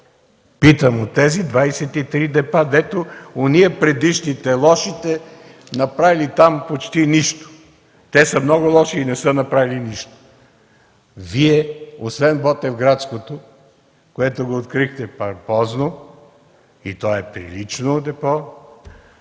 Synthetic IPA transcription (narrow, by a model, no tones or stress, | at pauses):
pit̪əmot̪ɛzid̪vajsɛt̪it̪ɾid̪ɛpad̪ɛt̪ooniɛpɾɛd̪iʃnit̪ɛlˠɔʃit̪ɛ | nɐpɾavilit̪ampot͡ʃt̪iniʃt̪o̥ | t̪ɛsəmnɔɡʊlˠɔʃiːnɛsənɐpɾaviliniʃt̪o̥ | viɛosvɛnbɔt̪ɛvɡɾat̪skot̪o | koɛt̪oɡoːt̪kɾixt̪ɛpɐɾpɔzno | it̪ɔɛpɾḭlit͡ʃnod̪ɛpɔ